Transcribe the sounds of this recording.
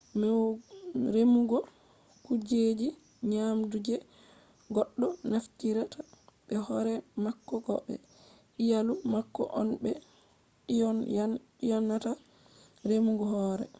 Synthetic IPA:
mɛ | ɾemuɡɔ | kud͡ʒed͡ʒi | ɲamdud͡ʒɛ | ɡɔɗːɔnaftiɾɛtaɓɛhɔɾɛmakːɔɡɔɓɛ̰ | ʔijalumakːɔ̰ʔɔnbɛ | ijɔn | ijanːata | ɾemuɡɔhɔɾɛ̰

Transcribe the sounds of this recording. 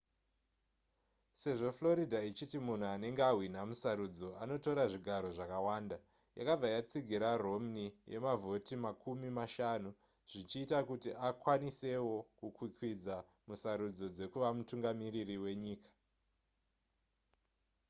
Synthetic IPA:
se̞ʐo̞flo̞ɾidʱait͡ʃitimun̤uane̞ŋɡeaɦwin̤amusaɾud͡zo̞ano̞to̞ɾaʐiɡʱaɾo̞ʐakawaːnda | ja̰kab͡vajat͡siɡʱiɾaro̞mnije̞̰mavʱo̞timakʰumimaʃanu | ʐ̥it͡ʃiːtakutiʔakwanise̞wo̞kukwikwid͡za | musaɾud͡zo̞d͡ze̞kuʋamutuŋɡamiririwe̞ɲiːkḁ

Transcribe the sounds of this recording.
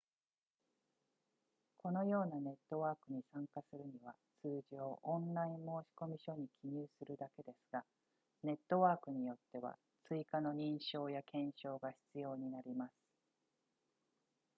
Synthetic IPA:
kʰo̞no̞jo̞ːnane̞t̪ːo̞βaːkɯ̟ɲ̟isãŋkasɨɾɯ̟ɲ̟iβa | t͡sɨːʑio̞ʔõnːaĩmmo̞ːɕi̥ko̞mʲiɕo̞ɲ̟ikʲiɲɨːsɨɾɯ̟d̪ake̞d̪e̞sɨɡ̥a | ne̞t̪ːo̞βaːkɯ̟ɲ̟ijo̞t̪ːe̞β̞a̰ | t͡sɨikano̞ɲ̟ĩɰ̃ɕo̞ːjakẽ̞ɰ̃ɕo̞ːɡaçi̥t͡sɨjo̞ːɲ̟inaɾʲimasɨ̥

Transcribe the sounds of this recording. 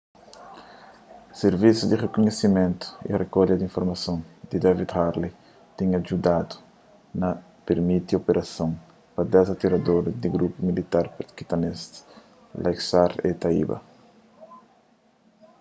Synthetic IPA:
seɾvisjud̪irekuɲesimẽnt̪u̥ḭrekoʎɐd̪ĩɱfoɾmɐsõnd̪id̪avid̪haɾli | t̪iŋɐd͡ʒud̪ad̪u̥ | nɐ | peɾmit̪iopeɾʔɐsõŋ | pɐd̪ɛzɐt̪iɾɐd̪oɾd̪iɡɾupumilit̪aɾpaɾt̪kit̪ɐnest̪ | lʔaksaɾḛt̪aḭbɐ̰

